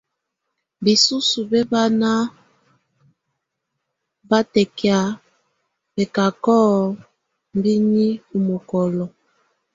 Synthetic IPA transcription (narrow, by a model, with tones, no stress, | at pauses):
bi˨su˦su˨bɛ˦ba˦na˦ | ba˦tɛ˨kja˨ | bɛ˨ka˨kɔ˦ | m˦bi˦ni˦u˨mo˨kɔ˨lɔ˨